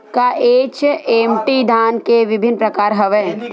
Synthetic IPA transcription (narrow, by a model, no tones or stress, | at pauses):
kaʔeːt͡ʃeːmʈid̪ʱaːnkeʋɪbʱɪnːpɾɐkaːɾɦɐʋɛː